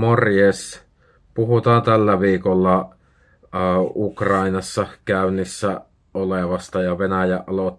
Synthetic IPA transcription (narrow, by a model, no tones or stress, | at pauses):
morjes | puɦut̪ɑːnt̪ælːæʋiːkolːɑ | ukrɑinɑsːɑkæynːisːæ | oleʋɑst̪ɑjɑʋenæjæʔʔɑlot̪ː